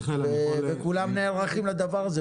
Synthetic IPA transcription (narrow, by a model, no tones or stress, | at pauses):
evekulamneːlʁaχimlad̪avaʁaze